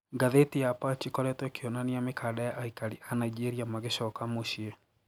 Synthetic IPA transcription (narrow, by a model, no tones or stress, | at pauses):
ŋɡaðetijapat͡ʃikɔɾɛtwɛkeɔnaniamekʰadajaʔaikaɾiʔanaid͡ʒeɾiamaɣeʃɔkamoɕiɛ